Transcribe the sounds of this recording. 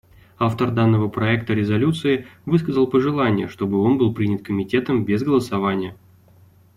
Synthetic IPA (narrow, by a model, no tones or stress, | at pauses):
aft̪ərd̪anːəvəpɾɐɛk̚t̪əɾʲɪzɐlʲut̪sɨɪvɨskəzəlˠpəʐɨlˠanʲɪjə̰ʂt̪o̞bɨo̞nbɨlˠpɾʲinʲɪt̪̚kəmʲɪtʲe̞t̪əmbʲezɡəlˠəsɐvanʲɪjə